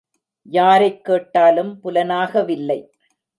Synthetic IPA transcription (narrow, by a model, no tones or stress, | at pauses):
jaːɾɐɪkːeːʈːaːlɯmpʊlɐnaːɣɐʋɪlːɐɪ